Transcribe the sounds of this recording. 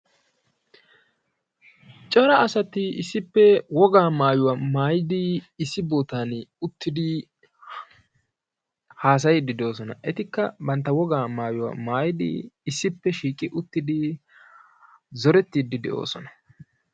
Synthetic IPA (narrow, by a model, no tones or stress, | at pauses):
t͡ʃʼɐɾɐɐsɐt̪ɪɪsːɪpːɛwɔɡaːmaːjʊwaːmaːjɪd̪ɪɪsːɪboːt̪aːnʊt̪ːɪd̪ɪ | haːs̬ɐjd̪ɪd̪o̞ːsɔnɐʔɛt̪ɪkːɐbɐnt̪ːɐwɔɡaːmaːjʊwa̰ːmaːjɪd̪ɪ̰ɪsːɪpːɛʃiːkʼɪʔʊt̪ːɪd̪ɪ | zɔɾɛt̪ːiːd̪ːɪd̪ɛ̰ʔo̞̰ːsɔnɐ̥